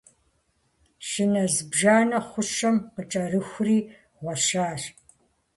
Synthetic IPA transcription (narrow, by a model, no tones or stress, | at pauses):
ʃɪnɐzbʒaːnɐχʷʊʃɐmqət͡ʃʼɐrɨxʷriː | ʁʷɔʃaːr